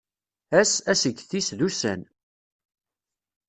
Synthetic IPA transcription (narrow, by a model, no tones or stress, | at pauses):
æsæsəɡθisðusæ̰n